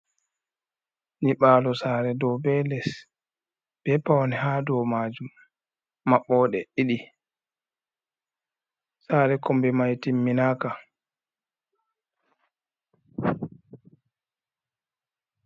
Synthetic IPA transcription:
niɓaːlɔsaːɾɛdɔwbɛlɛs | b̥ɛpawnɛhaːdɔmaːd͡ʒumː | aɓːɔɗɛʔiɗi | saːɾɛkɔmbɛmajtimːinaka

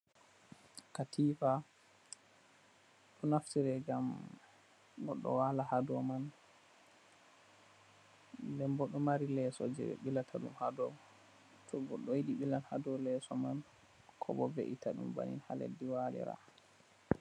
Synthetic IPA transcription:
katʰifa | ɗɔnaftiɾɛɡam | ɡɔɗːɔ̰walahadɔman | dɛmbɔɗɔmaɾilɛsɔ̰d͡ʒɛ̰ɓilatʰaɗṵmhadɔ | tʰɔɡɔɗːɔjiɗiɓilanhadɔlɛsɔman | kʰɔbɔvḛʔitʰaɗṵmba̰nḭnha̰lḛdːiwalɛ̰ɾa̰

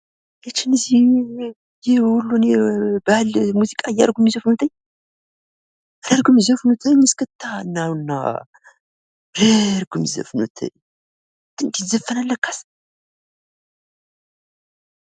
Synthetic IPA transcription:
jɛt͡ʃːɪnɨzi | jɪhhulːunebəalmuzikʼaja̰ɾɡumizəfnut̪ʰəɲː | ɾeɾɡumzəfnut̪ʰəɲːɨskɨt̪ʰːaɨnːawnːa̰ | ɾeɾɡumzə̰fnut̪ʰə̰ɲ | t̪ɨnd̪izəfːənalːəkːḁs

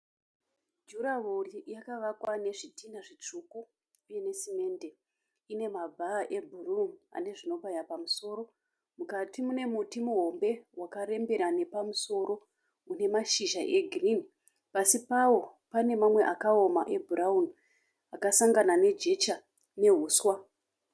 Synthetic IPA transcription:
d͡ʒuɾaɦurijakaʋakwane̞ʐitʰindaʐit͡ʂukuː | je̞ne̞sime̞ːnde̞ | ine̞mab͡vʱaʔe̞bʱuruma̰ne̞ʐino̞pajapamuso̞ːɾo̞ | mukatimune̞mutimuɦo̞mbe̞wakaɾe̞mbe̞ɾane̞pamuso̞ɾo̞ | une̞maʃiʒaʔe̞ɡʱirini | pasipawo̞pane̞mamwe̞ʔakao̞maʔe̞bʱuɾaun | akasaŋɡanane̞d͡ʒe̞t͡ʃa | ne̞ɦuːswa

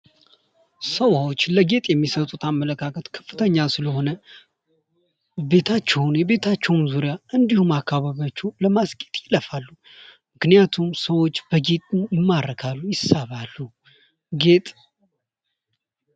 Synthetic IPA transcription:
səwawo̞t͡ʃːləɡe̞t̪ʼjɛmːisət̪ʼut̪ʰamːələkʰakʰət̪kʰə̥fːɨt̪ʰəɲːalsɨləho̞nə | be̞t̪ʰat͡ʃːɛwnjɛβe̞t̪ʰat͡ʃːɛwnzuɾijaʔɨnd̪ihumakːaβaβjat͡ʃːɛwləmasɡʼet̪ʼjɪləfalːu | mɨknijat̪ʰumsəwo̞t͡ʃːb̥əɡe̞t̪ʼujɪmːaɾəkʰalːujɪsaβalːu | ɡet̪ʼ

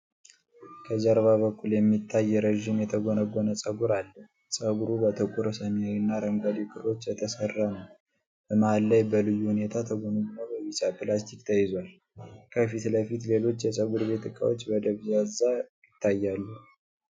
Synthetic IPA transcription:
kʰəzaɾβaβəkʰʼːuljɛmːit̪ʰːajːɛɾəʒimjɛt̪ʰəɡo̞nəɡʷonəsʼəɡuɾalːəh | sʼəɡuɾubət̪ʰəkʼuɾsəmawinːaɾəŋɡʷad̪ikʼʰɨɾo̞t͡ʃːjɛt̪ʰəsərːanəw | bəmahalːajbəlɨjːuhune̞t̪ʰat̪ʰəɡonəɡunəwbəwisapʰɨlast̪ʰikt̪ʰəjɪzwal | kʰəfit̪ləfit̪le̞lo̞t͡ʃːjɛsʼəɡuɾβe̞t̪ɨkʼa̰wot͡ʃːbəd̪əβzazajɪt̪ʰːajːalːu

